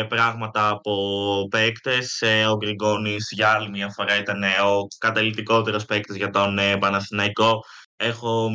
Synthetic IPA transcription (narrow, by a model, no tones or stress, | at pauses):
pɾɐɣmɐt̪ɐːpo̞pe̞kt̪e̞seoɡɾiɡo̞nisʝɐɐlimjɐfo̞ɾɐit̪ɐneo̞kɐt̪ɐlit̪iko̞t̪e̞ɾospekt̪e̞zʝɐt̪o̞nepɐnɐstinɐiko̞ | e̞xo̞